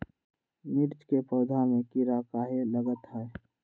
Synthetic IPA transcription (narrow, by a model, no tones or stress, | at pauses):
niɾt͡ʃkepɔːd̪ʱamẽkiɾakaːɦeləɡət̪ɦɛ